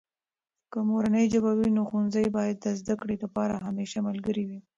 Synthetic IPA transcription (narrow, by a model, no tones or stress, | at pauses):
kəmoɾanəjd͡ʒəbawinoxunzəjbɑjad̪̚ːəzd̪akɽed̪əpɑɾaɦameʃamalɡəɾiwi